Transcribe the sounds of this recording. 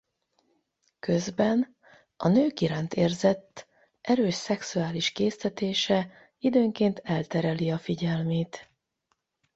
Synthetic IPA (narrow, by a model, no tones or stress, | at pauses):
kø̞zbɛn | ɒnøːkiɾaːnt̪eːrzɛt̪ː | ʔɛɾøːʃsɛksuaːliʃkeːst̪ɛt̪eːʃɛ | id̪øːŋkeːnt̪ɛlt̪ɛɾɛliɒfiɟɛlmeːt̪